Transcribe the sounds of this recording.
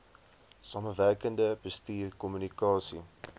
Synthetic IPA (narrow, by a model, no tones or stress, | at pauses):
sɑːməværkəndəbəstiːrkɔmynikɑːsḭ